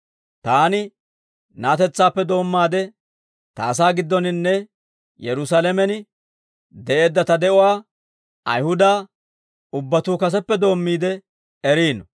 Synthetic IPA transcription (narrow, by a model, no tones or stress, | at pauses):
t̪aːnɪ | naːt̪ɛt͡sːaːpːɛd̪o̞ːmːaːd̪ɛ | t̪aːs̬aːɡɪd̪ːɔnɪnːɛ | jɛɾʊsalɛmɛnɪ | d̪ɛʔe̞ːd̪ːɐt̪ɐd̪ɛʔʊwaː | ʔɐ̰jhʊd̪aː | ʊbːɐt̪uːkɐs̬ɛpːɛd̪o̞ːmːiːd̪ɛ | ɛɾiːnɔ